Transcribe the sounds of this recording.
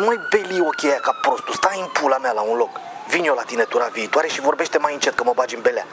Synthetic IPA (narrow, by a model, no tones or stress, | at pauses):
mojbe̞lio̞kʲe̞jakapɾo̞st̪ust̪aimpulamealaunlo̞kvinjo̞lat̪inet̪uɾaviːt̪waɾe̞ʃivo̞rbe̞ʃt̪e̞majɨnt͡ʃet̪̚kəmobad͡ʒinbe̞lea̰